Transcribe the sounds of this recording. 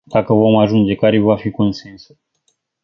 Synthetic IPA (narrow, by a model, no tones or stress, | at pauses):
d̪̥akəvo̞maʒund͡ʒe̞kaɾevafiko̞nse̞nsu̥